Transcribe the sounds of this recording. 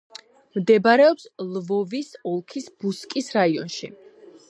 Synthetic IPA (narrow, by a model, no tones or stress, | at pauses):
md̪ɛbaɾɛɔpslˠvɔvisɔlˠkʰisb̥uskʼisɾaiɔ̰nʃḭ